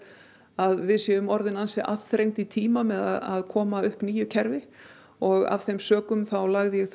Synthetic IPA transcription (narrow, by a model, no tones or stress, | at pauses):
aðvɪðsjɛʏmɔɾðɪnansɛʔaθɾejŋmt̪it̪ʰiːmamɛðaða̰ðkʰɔːmaʏhpniːjʏcʰɛɾvɪ | ɔɣa̰v̥θejmsœːkʏmθawlaɣðɪjɛɣθ